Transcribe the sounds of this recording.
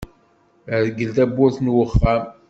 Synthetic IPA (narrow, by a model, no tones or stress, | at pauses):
ɾɡəlt̪æbːʊɾθnwəχːæm